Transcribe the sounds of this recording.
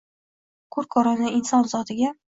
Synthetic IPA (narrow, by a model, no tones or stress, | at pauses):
kʰʊɾkʰɒɾɒnɪɪnsɒnzɒt̪ʰɪɡʲa